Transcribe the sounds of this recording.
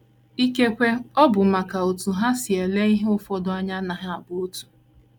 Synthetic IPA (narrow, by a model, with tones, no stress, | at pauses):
i˦ke˦kʷe˦ɔ˦bʊ˨ma˨ka˨o˨tu˨ɦa˦si˨e˨le˦i˦ɦe˦ʊ˦fɔ˦dʊ˦a˦ɲa˦na˨ɦa˦a˨bʊ˦o˦tu̥˨